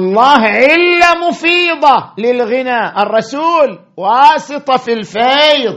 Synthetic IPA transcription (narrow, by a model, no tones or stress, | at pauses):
ʔɑlˤːɑːɦʕɪlːamʊfiːðˤɑlɪlɣɪnaːʔɑrˤːɑsuːl | wɑːsɨt̪ˤɑfilfajðˤ